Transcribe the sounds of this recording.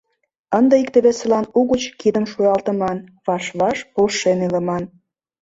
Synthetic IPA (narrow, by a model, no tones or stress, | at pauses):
ənd̪ə̆ik̚t̪ə̆βesə̆lɑnuɣət͡ɕkid̪ə̆mʃujɑlˠt̪ə̆mɑnβɑʃβɑʃpolʃeneləmɑn